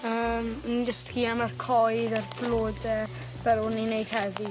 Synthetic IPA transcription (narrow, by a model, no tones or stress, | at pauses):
əːmndəskiamarkʰɔjðarbloːdɛ | v̥ɛlʊninejd̥hɛvi